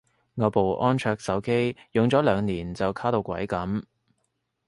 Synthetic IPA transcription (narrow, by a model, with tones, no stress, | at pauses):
ŋɔː˨˧po˨wʔɔː˥nt͡ʃʰœː˧k̚sɐ˨˥wke˥jjʊ˨ŋt͡sɔː˨˥lœː˨˧ŋniː˨˩nt͡sɐ˨wkʰaː˥t̪o˧wkʷɐ̰˨˥jkɐ˨˥m